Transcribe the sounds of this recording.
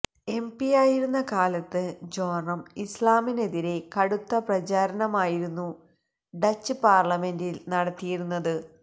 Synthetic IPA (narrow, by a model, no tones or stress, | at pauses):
e̞mpijaːjiɾunːɐkaːlɐt̪ːɨd͡ʑoːɳɐmislaːmine̞ðiɾe̞kɐɽut̪ːɐprɐt͡ɕaːɾɐnɐmaːjiɾunːu | ɖɐt͡ɕːɨpaːrlɐme̞ndilnɐɽɐt̪ːijiɾunːɐðɨ